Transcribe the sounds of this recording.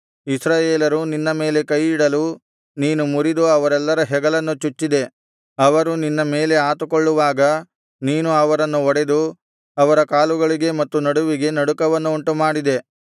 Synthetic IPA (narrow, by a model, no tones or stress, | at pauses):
isɾaːjeːlɐɾuninːɐme̞ːle̞kɐjːiɽɐlu | niːnumuɾid̪uɐʋɐɾɛlːɐɾɐɦɛɡɐlɐnːut͡ʃut͡ʃːid̪e̞ | ɐʋɐɾuninːɐme̞ːle̞aːt̪ukoɭːuʋaːɡɐ | niːnuɐʋɐɾɐnːuɔɽe̞d̪u | ɐʋɐɾɐkaːluɡɐɭiɡe̞mɐt̪ːunɐɽuʋiɡe̞nɐɽukɐʋɐnːuuɳʈumaːɽid̪e̞